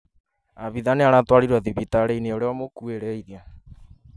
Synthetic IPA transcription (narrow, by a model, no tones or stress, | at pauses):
aβiðaneaɾatwaɾiɾwaðiβitaɾeineoɾeɔmokueɾɛiðja